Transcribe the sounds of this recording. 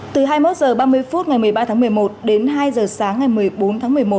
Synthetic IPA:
t̪ɨ˨˩ɦaː˧jmo˦˥t̚zəː˨˩ɓaː˧mɨ˧əjjfu˦˥t̚ŋa˨˩jmɨ˨˩əjɓaː˧t̪ʰaː˨˦ŋmɨ˨˩əjmo˨˩t̚ɗe˨˦nɦaː˧jzəː˨˩saː˨˦ŋːa˨˩jmɨ˨˩əjɓo˨˦nt̪ʰaː˨˦mɨ˨˩əjmo˨˩t̚

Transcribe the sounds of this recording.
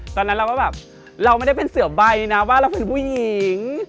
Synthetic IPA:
t̪ɔː˧nː˦˥lːwaː˥˩bɛː˨˩p̚ | ɾa˧wma˥˩jda˥˩jpe˧nsɯ˨˩˦ba˧jna˦˥waː˥˩ɾa˧wpe˧npʰuː˥˩ji˨˩˦ŋ

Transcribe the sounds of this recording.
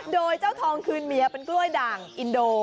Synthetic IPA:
doː˧jt͡ɕaː˥˩wt̪ʰɔː˧ŋkʰɯː˧nmi˨˧˦ɐpe˧nklu˥˩əjdaː˨˩ŋʔi˧ndoː˧

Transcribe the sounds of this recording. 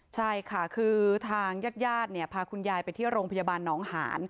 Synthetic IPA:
t͡ɕʰa˥˩jkʰa˥˩kʰɯː˧t̪ʰaː˧ŋjaː˥˩t̪̚jaː˥˩t̪̚ni˥˩ɐpʰaː˧kʰu˧njaː˧jpa˧jt̪ʰiː˥˩ɾoː˧ŋpʰa˧jaː˧baː˧nːɔː˩˦˥ŋha̰ː˩˦n

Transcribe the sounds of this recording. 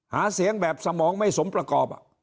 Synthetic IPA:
haː˨˦si˨˩˦əŋbɛː˨˩p̚sa˧mɔː˨˦ŋma˥˩jso˨˦mpɾa˧kɔː˨˩p̚a̰˧˩

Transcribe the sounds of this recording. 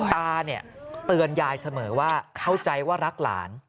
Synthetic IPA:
t̪aː˧ni˥˩ət̪ɯ˧ənjaː˧jsa˧mɤː˩˦waː˥˩kʰa˥˩wt͡ɕa˧jwaː˥˩ɾa˦˥k̚la̰ː˩˦n

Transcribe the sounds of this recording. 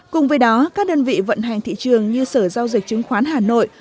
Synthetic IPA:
kʊ˨˩ŋ͡mvəː˨˦jɗɔ˨˦kaː˦˥k̚ɗəː˧nvḭ˧˨və̰˧˨nɦa˨˩ŋt̪ʰḭ˧˨t͡ɕɨ˨˩əŋɲɨ˧səː˧˩za˧wzi˨˩k̚t͡ɕɨ˨˦ŋxwaː˨˦nɦaː˨˩no̰˧˨j

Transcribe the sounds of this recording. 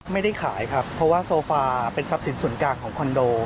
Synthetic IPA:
ma˥˩jda˥˩jkʰaː˩˦jkʰa˦˥pʰːɔ˦˥waː˥˩soː˧faː˧pe˧nsa˦˥p̚si˩˦nsu˨˩˦ənkaː˨˩kʰɔː˩˦ŋkʰɔ˧ndoː˧

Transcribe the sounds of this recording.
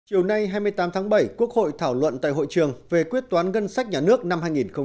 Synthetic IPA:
t͡ɕi˨˩əwna˧jɦaː˧jmɨ˧əjt̪aː˨˦mt̪ʰaː˨˦ŋɓə˧˩jku˦˥ək̚ho̰˧˨jt̪ʰaː˧˩wlwə̰˧˨nt̪a̰ː˧˨jɦo̰˧˨jt͡ɕɨ˨˩əŋve˨˩kwi˦˥ət̚t̪waː˨˦nɣə˧nsa˦˥k̟̚ɲaː˨˩nɨ˦˥ək̚na˧mhɦaː˧jŋi˨˩nxə˧ŋ͡m

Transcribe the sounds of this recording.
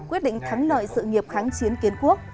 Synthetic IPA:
kwi˦˥ət̚ɗḭ˧˨ŋt̪ʰa˨˦ŋlə̰ː˧˨jsɨ̰˧˨ŋi˨˩əp̚xaː˨˦ŋt͡ɕi˨˦ənki˨˦ənku˦˥ək̚

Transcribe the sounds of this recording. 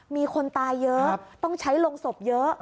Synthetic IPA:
miː˧kʰo˧nt̪aː˧jːɤ˦˥t̪ɔ˥˩ŋt͡ɕʰa˦˥jlo˧ŋso˨˩p̚jɤ˦˥ʔ

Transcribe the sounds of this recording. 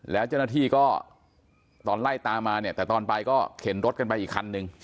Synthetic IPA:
lɛː˦˥wt͡ɕa˥˩naː˥˧t̪ʰiː˥˩kɔː˥˩ | t̪ɔː˧nla˥˩jt̪aː˧mːaː˧ni˥˩t̪ɛː˨˩t̪ɔː˧npa˧jkɔː˥˩kʰe˩˦nɾo˦˥t̪̚ka˧npa˧jʔiː˨˩kʰːa˧nːɯ˧ŋ

